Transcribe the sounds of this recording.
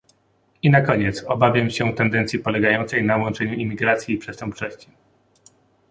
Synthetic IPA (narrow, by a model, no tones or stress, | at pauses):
inakɔɲɛt̪sɔbavʲjamɕɛt̪ɛnd̪ɛnt̪sʲjipɔlɛɡajɔnt̪sɛjnawɔnt͡ʂɛɲuʔimʲiɡɾat̪sʲjiːpʂɛst̪ɛmpt͡ʂɔɕt͡ɕi̥